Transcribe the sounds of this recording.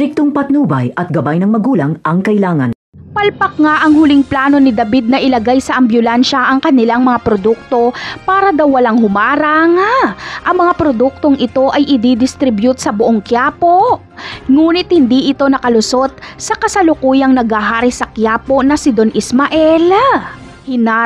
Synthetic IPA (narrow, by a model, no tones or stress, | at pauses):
t̪ɪk̚t̪oŋpɐt̪̚nuːbɐ̰jɐt̪̚ɡɐbajnɐŋmɐɡuːlɐŋʔɐŋkɐɪlaːŋɐn | pɐlpɐk̚ŋaʔɐŋhʊliŋplaːno̞nɪd̪ɐbid̪̚nɐʔɪlɐɡajsɐʔɐmbjʊlɛnʃɐʔɐŋkɐnɪlaŋmɐŋapɾod̪uk̚t̪o̞paːɾɐd̪awːɐlaŋhʊmaːɾɐŋʔɐŋmɐŋapɾod̪uk̚t̪oŋʔɪt̪o̞ʔɐjʔɪd̪id̪ɪst̪ɾɪbjut̪sɐbʊʔoŋkjaːpo̞ | ŋuːnɪt̪̚hɪnd̪iʔɪt̪o̞nɐkɐlʊso̞t̪̚sɐkɐsɐlʊkuːjɐŋnɐɡhaɦaːɾɪsɐkjaːpo̞nɐsɪd̪o̞nʔɪsmɐʔɛl | hɪna